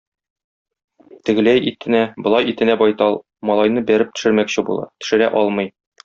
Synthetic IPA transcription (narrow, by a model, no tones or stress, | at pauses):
t̪ɘ̆ɡɘ̆læjʔit̪ɘ̆næbŏlˠɑjit̪ɘ̆næbɒjt̪ɑlˠ | mɒlˠɑjnɤbæɾɘp̚t̪ɵ̆ʃɘ̆ɾmækɕɘbṵlˠɑ̰t̪ɵ̥̆ʃɘ̆ɾæʔɒlˠmɤj